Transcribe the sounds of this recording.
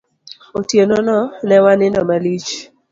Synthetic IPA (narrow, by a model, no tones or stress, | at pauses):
otjenɔnɔnɛwanɪnɔmalit͡ʃ